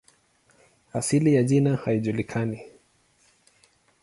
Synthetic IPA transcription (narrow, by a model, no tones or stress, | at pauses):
asilijaʄinahaiʄulikʰani